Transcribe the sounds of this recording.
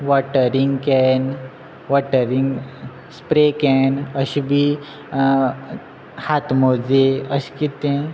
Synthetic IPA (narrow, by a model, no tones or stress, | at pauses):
ʋɔʈəɾiŋɡkɛn | ʋɔʈəɾiŋɡ | spɾekɛnəɕibʱi | hat̪mod͡zeəɕi̥kit̪ẽ